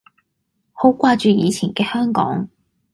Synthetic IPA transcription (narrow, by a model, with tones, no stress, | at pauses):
ho˨˥wkʷaː˧t͡ʃyː˨˧jiː˨˧t͡sʰiː˨˩nkɛː˧hœː˥ŋkɔ̰ː˨˥ŋ